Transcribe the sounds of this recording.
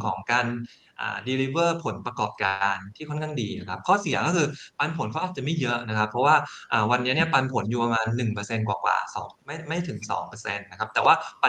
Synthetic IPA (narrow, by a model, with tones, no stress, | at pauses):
kʰɔː˩˦ŋkaː˧n | ʔa̰ː˨˩diː˧li˦˥wɤː˥˩pʰo˩˦npɾa˧kɔː˨˩p̚kaː˧nt̪ʰiː˥˩kʰɔ˥nkʰa˥˩diː˧na˦˩kʰa˦˥p̚kʰɔː˥˩si˨˩˦kɔː˥˩kʰɯː˧pa˧npʰo˨˩˦nkʰʔaː˨˩t͡ɕa˨˩ma˥˩jɤ˦˥ʔna˦˥kʰa˦˥pʰɾɔ˦˥waː˥˩ʔaː˨˩wa˧nːi˦˥ni˥˩ɐpa˧npʰo˨˩˦njuː˨˩pa˧maː˧nːɯ˨˩ŋpɤː˧se˧nkwaː˨˩kwa̰ː˨˩sɔ̰ː˩˦ŋma˥˩ma˥˩jt̪ʰɯ˨˩˦ŋsɔ̰ː˩˦ŋpɤː˧se˧nːa˦˥kʰa˦˥p̚t̪ɛː˨˩waː˥˩p